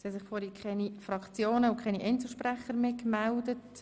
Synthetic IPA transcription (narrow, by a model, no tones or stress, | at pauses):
siɛsɪχfɔːɾikχɛnifrɑkt͡sjoːnəʊkχɛniʔɛnt͡ssl̩ˠʃpræχəɾmeːkmældət